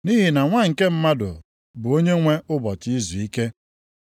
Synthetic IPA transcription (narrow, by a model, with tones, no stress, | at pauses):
ni˦ɦi˨na˨ŋʷa˦ŋ̩˨ke˦m̩˦ma˦dʊ̰˨ | bʊ˨o˦ɲe˦ŋʷe˦ʊ˦bɔ˨tɪ˦i˦zu˨i˦ke˦